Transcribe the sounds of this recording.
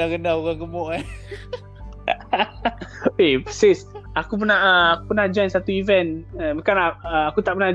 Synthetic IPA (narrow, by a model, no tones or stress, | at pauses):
aɡənaoɣaŋɡəmɔʔa | esisakup̬ənahəakupənad͡ʒajnsat̪uivɛnəbəkanaəakut̪aʔpəna